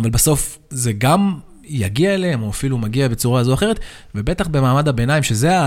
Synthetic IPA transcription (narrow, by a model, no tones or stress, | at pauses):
valbaso̞f | ze̞ɡam | jaɡiaeleemo̞afilumaɡiabe̞t͡suʁaazoaχe̞ʁet̪ | vebe̞t̪aχbe̞maːmadhabe̞naimʃezea